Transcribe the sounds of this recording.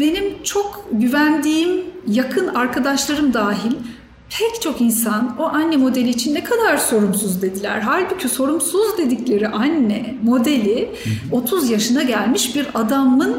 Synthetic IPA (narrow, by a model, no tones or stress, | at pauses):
be̞nimt͡ʃʰo̞kɟyvænd̪iːmjakʰɯnaɾkʰad̪aʃlˠaɾɯmd̪aːɦilʲ | pʰɛct͡ʃʰo̞kinsanoʔanːɛmo̞d̪e̞lʲiːt͡ʃʰinːɛkʰad̪aɾso̞ɾumsuzd̪e̞d̪ilʲæ̰ɾɦalʲbycʰyso̞ɾumsuzd̪e̞d̪iclʲe̞ɾiʔanːɛmo̞d̪e̞lʲi | o̞t̪ʰuzjaʃɯnaɟælʲmiʃbiɾad̪amɯn